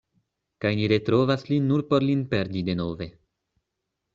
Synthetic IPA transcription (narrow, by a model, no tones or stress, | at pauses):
kajniɾe̞tɾo̞vaslinːuɾpo̞ɾlinpe̞ɾdide̞no̞ve̞